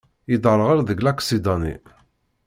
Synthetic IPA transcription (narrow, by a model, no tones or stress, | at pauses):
jid̪əɾˤʁəɾðəɡlækːsid̪ɑnḭ